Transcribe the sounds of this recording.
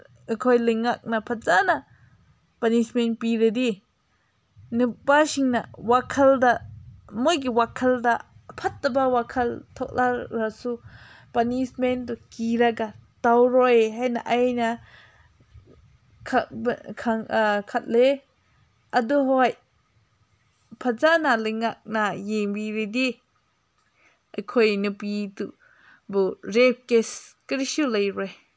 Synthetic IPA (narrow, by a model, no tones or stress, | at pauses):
ɯkʰɔjlɯŋak̚napʰat̪̚zana | panismenpiɾed̪i | nɯpaʃiŋnawakʰaldamɔjk̬iwakʰaldapʰat̪̚ːabawakʰalt̪ʰɔk̚laɾasu | panisment̪̬ukiɾaɡatawɾɔjɦajnaʔajna | kʰakʰaŋkʰat̪̚le | ʔaduɦɔj | pʰazanaləjŋak̚najeŋbiɾid̪i | ʔəkʰɔjnɯpit̪u | bɯɾep̚keskəɾisuləjɾɔj